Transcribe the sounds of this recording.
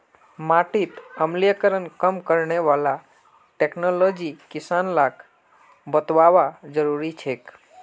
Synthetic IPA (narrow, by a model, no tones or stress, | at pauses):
maʈit̪əmlijəkəɾənkəmkəɾneʋala | ʈeknolod͡ʒikisanlak | bət̪ʋaʋad͡ʒəɾuɾit͡ʃʰek